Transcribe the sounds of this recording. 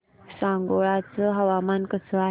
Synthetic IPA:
sãŋɡoɭat͡səɦəʋamankəsəa

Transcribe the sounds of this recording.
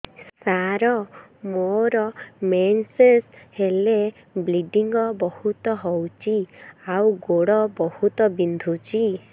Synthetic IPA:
ssaɾɔmoɾɔmenseshele | bliɖiŋɡɔbɔhut̪ɔɦɔwt͡ʃʰiawɡoɽɔbɔhut̪ɔbind̪ʱut͡ʃʰi

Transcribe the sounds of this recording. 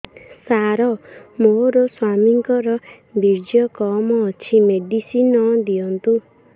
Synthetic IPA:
saɾɔmoɾɔswamiŋkɔɾɔ | biɾd͡ʒjɔkɔmɔːt͡ʃʰimeɖisinɔd̪iɔnt̪u

